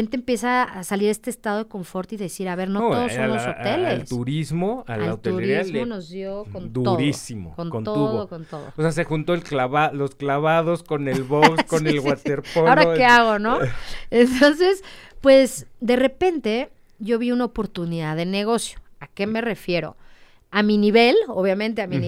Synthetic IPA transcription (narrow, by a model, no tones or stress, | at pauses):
ent̪eːmpje̞saːsaliɾe̞st̪est̪aðo̞ð̞eko̞ɱfo̞ɾt̪oiðe̞siɾaβe̞ɾnot̪oðsooelelst̪uɾizmoalaa̰wt̪ouɾiɾiaono̞zðjo̞kontd̪uoðɾisimo̰konkont̪ouðoko̞nt̪oðoosease̞xunt̪oelklaβalosklaβaðosko̞nelβokskonelɣwat̪eɾpoaoɾaeaɣo̞no̞ent̪o̞nse̞spwe̞sd̪e̞repe̞nt̪e̞ | ʝo̞βiunaopo̞ɾt̪uniðaðe̞ne̞ɣ̞o̞sjo̥ake̞me̞re̞fje̞ɾo̞̰ | aminiβe̞loβjamẽnt̪eamĩn